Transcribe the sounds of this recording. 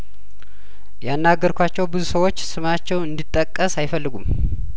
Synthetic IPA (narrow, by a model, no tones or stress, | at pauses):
janːaɡəɾkʷat͡ʃːɛwbɨzusəwo̞t͡ʃːsɨmat͡ʃːɛwɨnd̪it̪ʼːəkʼːəsajɪfəlːɨɡum